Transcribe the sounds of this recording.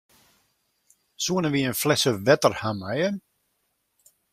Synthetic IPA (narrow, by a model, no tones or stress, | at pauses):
suənəʋiənflɛsəʋɛtərhamajə